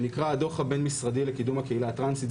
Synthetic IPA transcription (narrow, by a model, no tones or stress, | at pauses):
nikʁaad̪o̞χhabe̞nmisʁadile̞kidumhakeilat̪ʁansit̪